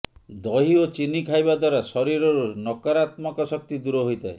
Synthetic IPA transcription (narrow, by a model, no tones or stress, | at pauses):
d̪ɔɦiot͡ʃinikʰajbad̪waɾasɔɾiɾɔɾunɔkaɾat̪mɔkɔsɔk̚t̪id̪uɾɔɦojt̪ʰae